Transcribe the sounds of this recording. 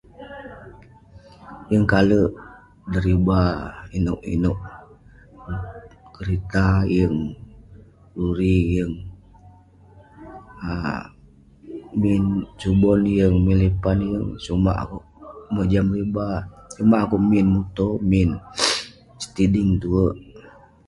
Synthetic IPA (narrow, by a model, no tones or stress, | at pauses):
jəŋkaləʔ | dəɾibainʊʔḭnoʔ | kəɾit̪ajəŋ | luɾijəŋ | a | mint͡ʃubɔnjəŋmilipanjəŋsuma̰ʔa̰kuʔməd͡ʒamɾibasumaʔakuʔminmut̪omin | sə̥t̪idiŋt̪uəʔ